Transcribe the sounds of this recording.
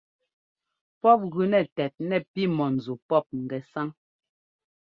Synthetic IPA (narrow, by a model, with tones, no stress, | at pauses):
pɔ˦˨p̚ɣʉ˨nɛ˨tɛ˨t̚nɛ˨pi˦mɔ˨n̩˨zu˨pɔ˦˨p̚ŋ̩˨ɡɛ˨sa˦ŋ